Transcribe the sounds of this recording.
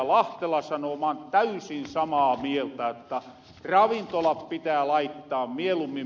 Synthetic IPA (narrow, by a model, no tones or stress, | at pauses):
lɑht̪elɑsɑnomɑnt̪æysinsɑmɑːmielt̪æot̪ːɑ | rɑʋint̪olɑppit̪æːlɑit̪ːɑːmmielumːi